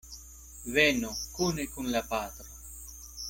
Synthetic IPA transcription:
vɛnokunekunlapat̪ɾa

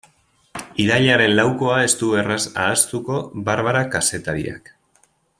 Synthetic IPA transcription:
iðaʎaɾe̞nlawko̞ae̞st̪uβe̞rasa̰ːst̪uko̞βaɾβaɾakase̞t̪aɾḭa̰k

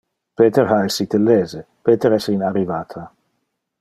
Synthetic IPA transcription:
peːt̪eɾhaesit̪elːeːze | peːt̪eɾɛsinarːivaːt̪ʰa

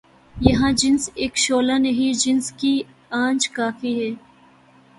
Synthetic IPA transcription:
jɐɦãːd͡ʒɪnseːkʃoːlanɐɦid͡ʒɪnski | ãːnd͡ʒkaːfiɦɛː

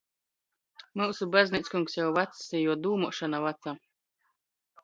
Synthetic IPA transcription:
muwsubazʲnit̪skuŋksjawvat̪sːijuɔd̪uːmuʃanavat̪saː

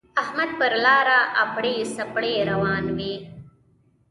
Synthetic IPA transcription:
ahmad̪̚pəɾlɑːɾaʔapɽesapɽeɾawɑːnwi

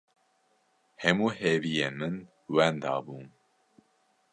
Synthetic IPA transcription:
hɛmuːhevijemɨn | wɛnd̪ɑ̰ːbuːm

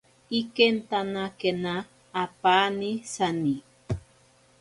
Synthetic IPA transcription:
ikent̪anakenaː | paːnisani

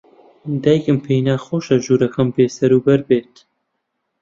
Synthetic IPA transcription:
d̪aːjkɨmpʰejnaːxoːʃɐʒuːɾɐkʰɐmpeːsɐɾuːbɐɾbeːt̪

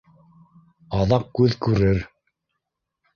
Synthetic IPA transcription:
ɑðɑq̚kʉðkʉɾɘɾ

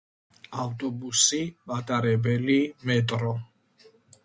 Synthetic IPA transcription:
aft̪ʼɔbusimat̪ʼaɾɛbɛlimɛt̪ʼɾɔ

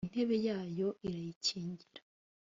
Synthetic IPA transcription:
n̥e̞βejaːjo̞ʔiɾajiciːɲɟiɾa

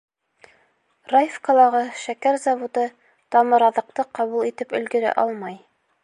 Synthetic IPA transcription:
rajfkolˠɑʁɤʃækæɾzɑvud̪ɤ | t̪ɑmɤ̆ɾɑðɤ̆q̚t̪ɤqɑβulˠit̪ɘpɵ̆lɡɘ̆ɾæ̰ʔɑlˠmɑj

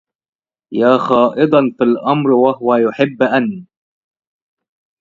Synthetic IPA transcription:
jaːxɑːʔɪd̪ˤɑnfilʔɑmɾwahʊwajʊħɪbːʔanː

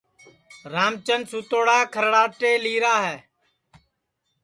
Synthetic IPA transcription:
ɾaːmt͡ʃənsuːt̪oːɽaːkʰəɾɽaːʈeːliːɾaːɦɛː

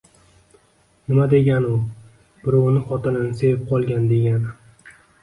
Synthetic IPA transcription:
nɪmad̪e̞ɡʲanʊ | bɪɾɒwnɪχɒt̪ʰɪnɪnɪse̞vɪp̚qʰɒlˠɡʲand̪e̞ɡʲanɪ

